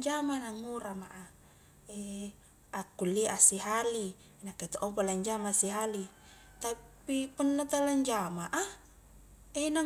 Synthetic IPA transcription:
d͡ʒamanaŋːuɾamaʔa | e | akːulːiʔasiɦali | nakːet̪oʔopalaɲd͡ʒamasiɦali | t̪appipunːat̪alaɲd͡ʒamaʔa | ena

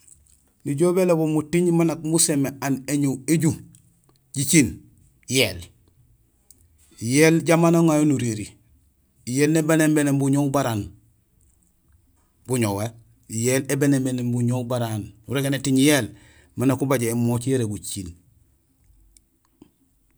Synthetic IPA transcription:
niɟobelebomutiɲmanakmusemeaneɲueɟu | ɟit͡ʃin | jel | jeːlɟamaːnaŋajonuɾeɾi | jeːlnebanembenembuɲobaɾan | buɲowe | jeːlebenembenembuɲobaɾanuɾeɡenetiɲjel | manakubaɟeːmot͡ʃjeɾebut͡ʃin

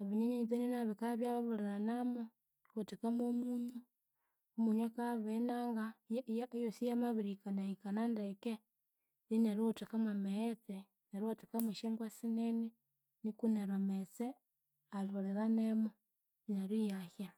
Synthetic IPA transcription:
aβiɲeɲeit͡seninaβikaβjaβaβuleɾanamo | otekamomuɲu | omuɲwekaβenaŋɡajajosijamaβiɾikanaikanandeke | nineɾiotekamameet͡se | neɾiotekamwiʃeŋɡwasineni | nikuneɾomet͡se | aloleɾanemo | ineɾijaxja

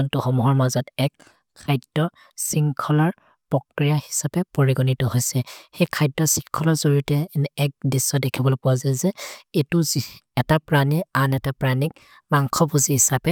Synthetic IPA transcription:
ɔntuxɔmuɦɔɹmazɔtɛkʰː | ajdɔ | siŋkʰɔlɔɹ | pɔkɹijahi̥sapɛpoɹiɡɔnitɔɦojsɛxejkʰajdɔsiŋkʰɔlɔɹzoɹiutɛnːk̚disːɔdɛkʰibɔlɔpʊwazazɛetuzi | ɛtapɹanianɛtapɹanik̚ | maŋkʰɔbuziɦisapɛ

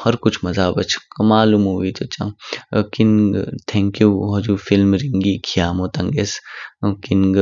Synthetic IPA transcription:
hɐɾkʊt͡ʃʰmɐzaːbɐt͡ʃʰkɐmaːlumɦoʋit̪ot͡ʃã̰kinɡt̪ʰɛ̃ːŋkjuɦɐd͡ʒuːfɪlmɾiŋɡiːkʰijaːmoːt̪ɐŋɡeskɪnɡ

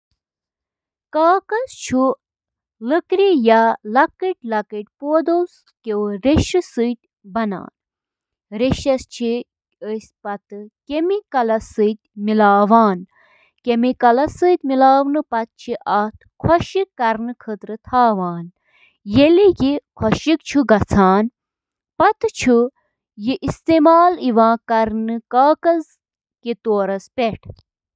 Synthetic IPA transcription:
kaːkɐst͡ʃʰu | ləkɾijalɐkiʈ̚ʲlɐkəʈ̚ʲpoːd̪ows | kewɾeʃɨsɨjt̪ʲ | bɐna̰ːn | ɾeʃɐst͡ʃʰi | əsʲpɐt̪ɨkemikɐlɐsɨjt̪̚ʲmilaːʋaːn | kemikɐlɐsɨːt̪ʲmilaːʋnɨpɐt̪̚t͡ʃʰiʔɐt̪ʰ | kʰɐʃikːɐɾnɨkʰət̪ɾɨt̪ʰaːʋaːn | jelijikʰwɐʃik̚t͡ʃʰuɡɐt͡sʰaːn | pɐt̪t͡ʃʰu | jiʔist̪eːmaːliʋãːkɐɾnɨkaːkɐz | kit̪oːɾɐspeʈʰ

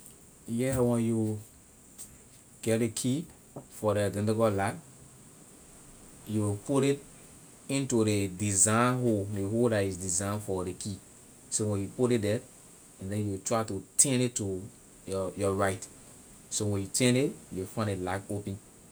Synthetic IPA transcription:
jɛwɛ̃nju | ɡ̥ɛt̚dekʰi | fɔɾɛdɛ̃ndɛɡɔlak | juwipuɾit | ĩntudedizãɪ̃nɦodeɦoldatizdizãɪ̃nfɔɾekʰi | sowɛ̃njupuɾit̚dɛt | ɛ̃ndɛ̃njuwitʰɹaɪtutʰɛ̃nitːu | jjɔɹaɪt | sowɛ̃njutʰɛ̃nitjuwifãɪ̃nelakopɛ̃n

